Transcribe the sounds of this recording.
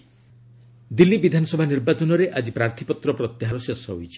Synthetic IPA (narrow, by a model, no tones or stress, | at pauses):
d̪ilːibid̪ʱanɔsɔbʱaniɾbat͡ʃɔnɔɾeʔad͡ʒipɾaɾt̪ʰipɔt̪ɾɔpɾɔt̪jaɦaɾɔsesɔɦojt͡ʃʰi̥